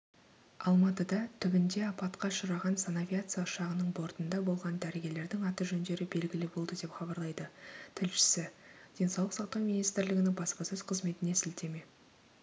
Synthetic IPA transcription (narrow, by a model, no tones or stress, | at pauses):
ɑlˠmɑt̪əd̪ɑt̪ʰʏbɪnd̪e̞ɑpɑt̪qɑʃəɾɑʁɑnsanavʲijat̪sɨjaʊʃɑʁənəɴbo̞ɾt̪ənd̪ɑbo̞lˠʁɑnd̪æɾeɡʲe̞le̞ɾd̪ɪŋɑt̪əʒɵnd̪e̞ɾɪbe̞lɡʲɪlɪbo̞lˠd̪əd̪e̞pχɑbɑɾlˠɑjd̪ət̪ʰɪlʃɪ̥sɪd̪̥e̞nsɑwlˠəqsɑq̚t̪ɑwmʲinijst̪ɪɾlɪɡʲɪnɪŋbɑspɑsɵz̥qʰəzme̞t̪ɪne̞sɪlt̪e̞me̞